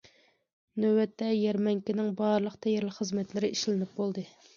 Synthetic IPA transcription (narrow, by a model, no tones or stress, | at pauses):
nøwɛt̪ʰːɛjɛɾmɛŋkʲinɪŋbɑɾlˠəqt̪ʰɛjɛɾlˠɪkχəzmɛt̪lɪɾɪʔiʃlɪnɪp̚bolˠd̪ɨ